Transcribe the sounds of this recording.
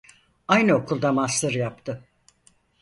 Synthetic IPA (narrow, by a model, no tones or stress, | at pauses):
ajnɯo̞kʰulˠd̪amast̪ɯɾjap̚t̪ʰɯ